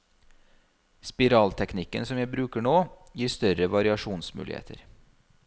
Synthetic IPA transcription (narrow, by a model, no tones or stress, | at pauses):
spɪɾɑːlt̪ʰɛknɪkːə̰nsɔmjæɪbɾʉːkəɳoːjiːst̪œɾəʋɑɾɪɑʃuːnsmʉ̰lɪhḛːt̪ʰə̰ɾ